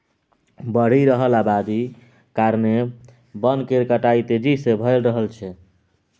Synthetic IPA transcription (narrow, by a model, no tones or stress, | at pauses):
bəɽ̤iɾəɦəlabad̪i | kaɾne | bənkeɾkəʈajt̪ed͡ʒisebʱəlɾəɦəlt͡ʃʰɛ